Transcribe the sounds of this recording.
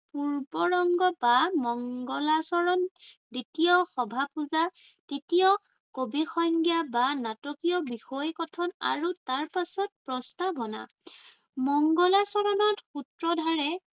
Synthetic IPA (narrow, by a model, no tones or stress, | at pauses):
puɹbɔɹɔŋɡɔbamɔŋɡɔlasɔɹɔnditijɔxɔbʱapuza | tetijɔ | kobixɔjŋɡijabanatɔkijɔbixɔjkɔtʰɔna̰ɹutaɹpasɔt̚pɹɔstabʱɔna̰ | mɔŋɡɔlasɔɹɔnɔtxutɹɔdʱaɹɛ